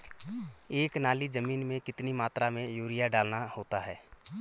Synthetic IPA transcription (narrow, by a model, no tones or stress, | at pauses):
eːknaːlid͡ʒəmiːnmẽkɪt̪nimaːt̪ɾamẽjuːɾɪjaɖaːlnahoːt̪aɦɛː